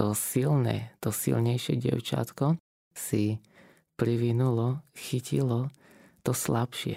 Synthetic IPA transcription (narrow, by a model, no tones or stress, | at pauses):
t̪ɔsilnɛ̰t̪ɔsḭlɲɛjʃɪɛɟɪɛ̰ʊt͡ʃa̰t̪kɔ | si | pɾiʋinulɔxicḭlɔ | t̪ɔslapʃɪɛ̰